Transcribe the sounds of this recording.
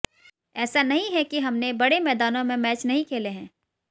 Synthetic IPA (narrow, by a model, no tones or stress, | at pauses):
ɛːsanɐɦĩɦɛkiɦɐmnebɐɽemɛːd̪aːnõmẽmɛːt͡ʃnɐɦĩkʰeːleɦɛ̃ː